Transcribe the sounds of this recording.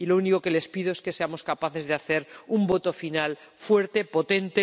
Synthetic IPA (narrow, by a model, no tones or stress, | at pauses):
ilo̞uniko̞ke̞le̞spiðoeske̞seamo̞skapaθe̞zðeaθe̞ɾumbo̞t̪o̞final | fwe̞ɾt̪e̞po̞t̪e̞nt̪e